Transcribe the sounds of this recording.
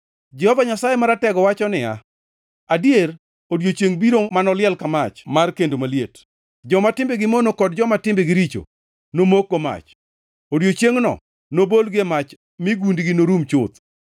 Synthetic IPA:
d͡ʒɛhɔvaɲasajemaɾatɛɡɔwat͡ʃɔnɪa̰ | adjer | odjot͡ʃjeŋbiɾomanɔlɪɛlkamat͡ʃmarkendomaljet | d͡ʒɔmatɪmbeɡɪmonokɔd̚d͡ʒɔmatɪmbeɡɪɾit͡ʃo̰ | nomokːoma̰t͡ʃ | odjot͡ʃeŋnɔ̰ | nobolɡemat͡ʃ | mɪɡundɡɪnoɾumt͡ʃʊt̪

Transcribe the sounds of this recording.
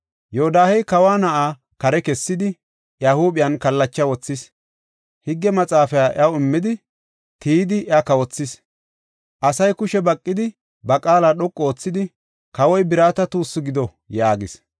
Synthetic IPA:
joːd̪aːhɛjkɐwaːnɐʔaː | kɐɾɛkɛsːɪd̪ɪ | ʔjahuːɓɪjɐnkɐlːɐt͡ʃːɐwɔt͡sːɪs | hɪɡːɛmɐt͡sʼaːfɛjaʔjɐwʊɪmːɪd̪ɪ | t̪iːd̪ɪʔjakɐwɔt͡sːɪs | ʔɐsɐjkʊʃɛbɐkʼːɪd̪ɪ | bɐkʼaːlaɗɔkʼːoːt͡sːɪd̪ɪ | kɐwɔjbɪɾaːt̪ɐt̪uːsːʊɡɪd̪ɔ | jaːɡɪs

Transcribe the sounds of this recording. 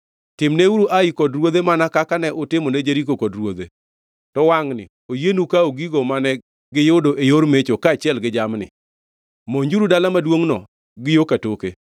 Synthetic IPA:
tɪmneuɾuʔaikɔdɾwod̪emanakakanɛʔʊtɪmoned͡ʒeɾikokɔdɾwod̪ḛ | tɔwaŋnɪ̰ | ojenukaoɡiɡomanɛ | ɡɪjodoʔejoɾmet͡ʃokaːt͡ʃɪɛlɡɪd͡ʒamnɪ̰ | moɲd͡ʒuɾudalamadwoŋnɔ | ɡɪjokatoke

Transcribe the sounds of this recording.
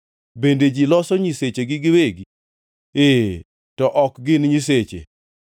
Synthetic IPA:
bended͡ʒilɔsɔɲiset͡ʃeɡɪɡɪweɡi | e | tɔʔɔkɡɪnɲiset͡ʃḛ

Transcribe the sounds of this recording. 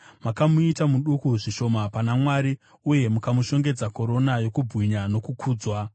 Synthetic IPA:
makamuitamuɗukuʐiʃo̞mapanamwaːɾi | uje̞mukamuʃo̞ŋɡe̞d͡zako̞ɾo̞najo̞kubʱwiɲano̞kukʰuːd͡zwa

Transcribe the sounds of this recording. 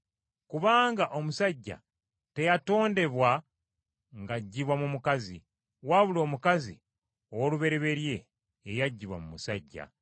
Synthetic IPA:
kuβaːŋɡaʔo̞musaɟːa̰ | te̞jato̞ːnde̞βwa | ŋɡaɟːiβwamumukazḭ | waːβulo̞ːmukazi | owoluβe̞ɾeβe̞ɾje̞ː | jaɟːiβwa̰mumusaɟːa̰

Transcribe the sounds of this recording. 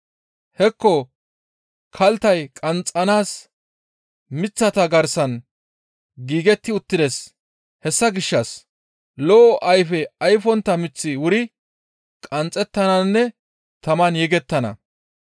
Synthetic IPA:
hɛkːɔ | kʰɐlt̪ɐjkʼɐnt͡sʼːɐnaːs | mɪt͡sːɐt̪ɐɡɐɾsɐn | ɡiːɡɛt̪ːɪʊt̪ːɪd̪ɛs | hɛsːɐɡɪʃːɐs | loːʔɐjfɛɐjfɔnt̪ːɐmɪt͡sːɪwʊɾɪ | kʼɐnt͡sʼːɛt̪ːɐnɐnːɛ | t̪ɐmɐnjɛɡɛt̪ːɐnɐ̰

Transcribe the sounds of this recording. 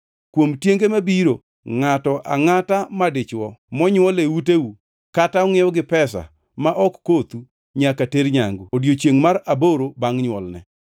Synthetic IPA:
kwomtjeŋɡemabiɾo | ŋatɔʔa̰ŋatamadɪt͡ʃwɔmɔɲwɔlewuteu | kataɔŋejɔɡɪpɛsa̰ | maʔɔkːot̪u | ɲakateɾɲaŋɡuodjot͡ʃeŋmaɾaboɾobaŋɲwɔlnɛ̰

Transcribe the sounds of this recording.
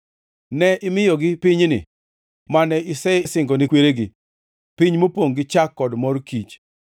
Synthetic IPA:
nɛʔɪmɪjɔɡɪpɪɲnɪ̰ | manɛɪsɛɪsɪŋɡɔnɪkweɾeɡɪ̰ | pɪɲmopwoŋɡɪt͡ʃakːɔdmɔrkit͡ʃ

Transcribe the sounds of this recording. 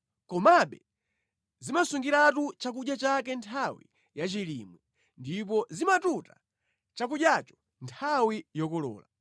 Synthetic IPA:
kɔmaɓɛ | zimasuŋɡiɾatut͡ʃak̬uʄjat͡ʃakɛntʰawḭ | jat͡ʃilḭːmwi | ndip̬ɔzimatuta | t͡ʃak̬uʄjat͡ʃɔ̥ | ntʰawijɔkɔlɔ̰ːla̰

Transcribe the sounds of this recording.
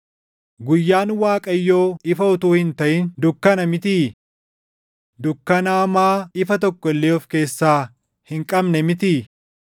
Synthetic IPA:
ɡʊjːaːnwaːkʼɐjːo̞ːɪfɐʊt̪uːhɪnt̪ɐʔɪnd̪ʊkːɐnɐmɪt̪i | d̪ʊkːɐnaːmaːɪfɐt̪ɔkːɔɪlːeːɔfke̞ːsːaː | hɪŋkʼɐbnɛmɪt̪i

